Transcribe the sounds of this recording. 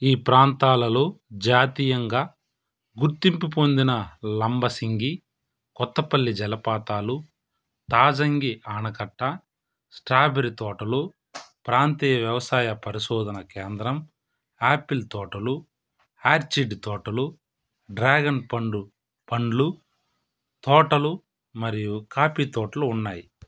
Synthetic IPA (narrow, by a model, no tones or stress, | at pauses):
iːpɾaːnt̪aːlɐloːd͡ʒaːt̪ijɐŋɡaː | ɡuɾt̪impipond̪inɐlɐmbɐsiŋɡi | kɔt̪ːɐpɐlːid͡ʒɛlɐpaːt̪aːlu | t̪aːd͡ʒɐŋɡiʔaːɳɐkɐʈːɐ | sʈɾaːbeɾit̪ɔːʈɐlu | pɾaːnt̪iːjɐʋjɐʋɐsaːjɐpɐɾiʃɔːd̪ʱɐnɐkɛːnd̪ɾɐm | aːpilt̪ɔːʈɐlu | aːɾt͡ʃiɖt̪ɔːʈɐlu | ɖɾaːɡɐnpɐɳɖu | pɐɳɖlu | t̪ɔːʈɐlu | mɐɾijukaːpiːt̪ɔːʈɐluːnːaːji